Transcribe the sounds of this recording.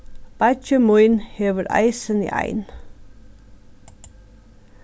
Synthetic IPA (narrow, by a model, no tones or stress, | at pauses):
b̥æt͡ʃəmuɪnheːʋəɾʔæ̰ɪsənḭːʔæ̰ɪn